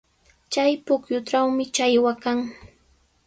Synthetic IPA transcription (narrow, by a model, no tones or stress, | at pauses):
t͡ʃajpʊkjʊʈ͡ʂawmɪt͡ʃajwakaŋ